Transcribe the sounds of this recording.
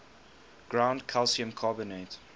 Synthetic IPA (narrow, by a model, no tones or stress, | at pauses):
ɡ̥ɹãʊ̃ndkʰɛlsiə̃mkʰaːbənet